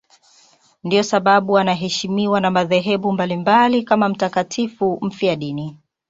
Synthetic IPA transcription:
ndiɔsaɓaɓuanaɦɛʃimiwanamaðɛɦɛɓumbalimbalikamam̩takatʰifum̩fjaɗini

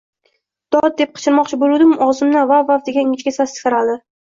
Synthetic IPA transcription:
d̪̥ɒd̪̚d̪e̞p̚qʰɨ̥t͡ʃʰɪɾmɒqt͡ʃʰɪbolud̪ɪmɒzɪmnavavavd̪eɡʲaɪŋʲɪt͡ʃkʲasasɪ̥kʲɨɾad̪ɪ

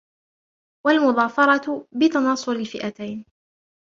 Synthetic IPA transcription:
walmʊðˤɑːfɑɾˤɑt̪bɪt̪ɑnɑːsˤʊɾɪlfɪʔat̪ajn

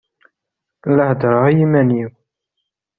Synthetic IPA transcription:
lːəhd̪ɾˤʁajimæniw

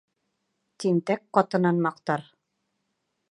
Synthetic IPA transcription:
t̪int̪ækqːɑt̪ɤ̆nɑnmɑqt̪ɑɾ

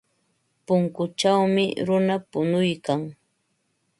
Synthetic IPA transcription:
pʊŋkʊt͡ʃawmɪɾʊnapʊnʊjkaŋ

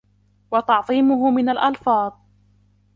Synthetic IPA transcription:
wɑt̪ɑʕðˤiːmʊɦʊmɪnalʔalfɑːðˤ

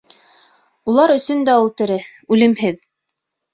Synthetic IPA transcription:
ulˠɑɾɵ̆sɵnd̪æulˠt̪ɘ̆ɾɘ | ʉlɘ̆mɦɘð

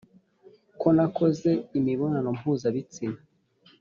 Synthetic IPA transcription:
ko̞nako̞ze̞imiβo̞nano̞m̥huːzaβit͡sina

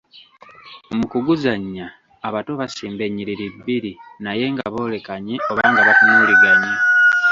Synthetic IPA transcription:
mukuɡuzaɲːaː | βato̞βasiːmbe̞ɲːiɾiɾibːiɾinaje̞ŋɡaβo̞ːle̞kaɲio̞βaːŋɡaβatumuliɡaɲa

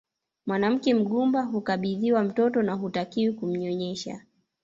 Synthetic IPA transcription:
mwanam̩kɛm̩ɠumbaɦukaɓiðiwam̩tɔtɔnaɦutakiwikum̩ɲɔɲɛʃa̰

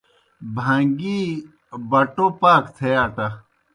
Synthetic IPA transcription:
bʱãŋɡi | bɐʈopaːkt̪ʰeaːʈɐ

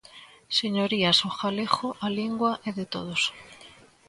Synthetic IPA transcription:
seɲoɾiasoxalexoʔaliŋɡwaʔeðet̪oð̞os

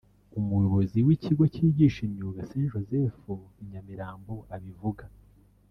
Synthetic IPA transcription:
umujo̞βo̞ziwiciɡo̞ciːɟiːʃimɲiuɡaseːnʒo̞zefuiɲamiɾaːmbo̞ʔaβivuɡa

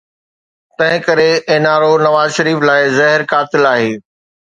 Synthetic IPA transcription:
t̪ɐ̃ɦɪ̃kɐɾeeːnaːɾonɐʋaːzʃɐɾiːflaːɪzɐɦɪɾkaːt̪ɪlaːɦeː

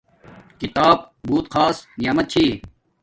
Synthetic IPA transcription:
kit̪aːb̚ | buːt̪qʰaːsnijaːmɐt̪̚t͡ɕʰiː

